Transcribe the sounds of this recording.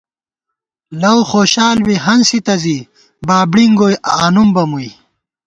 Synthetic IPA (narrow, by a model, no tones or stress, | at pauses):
lɐwxoːɕaːlwiɦɐnsit̪ɐzi | baːbɽiŋɡoːjʔaaːnumbɐmuj